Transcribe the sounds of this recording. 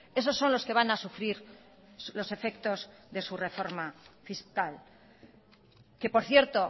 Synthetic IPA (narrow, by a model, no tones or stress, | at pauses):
e̞so̞sːo̞nlo̞ske̞βanasufɾiɾ | lo̞se̞fe̞kt̪o̞zðe̞sure̞fo̞ɾmafiskal | ke̞po̞ɾθje̞ɾt̪o̞